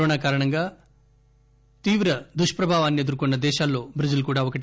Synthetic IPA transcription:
oːɳaːkaːɾɐɳɐŋɡaː | t̪iːʋɾɐd̪uʂpɾɐbʱaːʋaːnːie̞d̪ɐɾkunːɐd̪ɛːʃaːlːo̞ːbʱɾɐd͡ʒulkuːɽaːɔkɐʈ

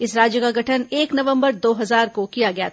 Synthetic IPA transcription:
ɪsɾaːd͡ʒjəkaɡʱɐʈʰəneːknɐʋə̃mbəɾd̪oːɦɐzaːɾkokijaɡɐjat̪

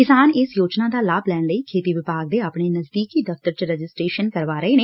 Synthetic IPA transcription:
kɪsaːnɪsjoːd͡ʒnãːd̪aːlaːblɛːnləiːkʰeːt̪iːʋɪpaːɡ̚d̪eːaːpɳeːnəzd̪iːkiːd̪əft̪əɾt͡ʃɾəd͡ʒɪsʈɾeːʃənkəɾʋaːɾəeːneː

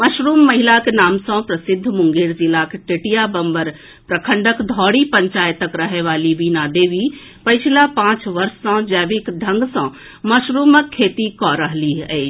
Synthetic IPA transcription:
məʃɾuːmːɐɦilakenaːmsɔ̃pɾəsɪd̪ʱːmʊŋɡeːɾd͡ʒilakʈeʈijabəmbəɾ | pɾəkʰəɳɖəkd̪ʱɔːɽipəɲt͡ʃaːjət̪əkɾəɦeʋaːliʋinad̪eːʋi | pɐjt͡ʃʰilapãːt͡ʃʋəɾsːɔ̃d͡ʒɛːʋikd̪ʱə̃ŋɡsɔ̃ | məʃɾuːməkʰːeːt̪ikɔɾəɦliɛː

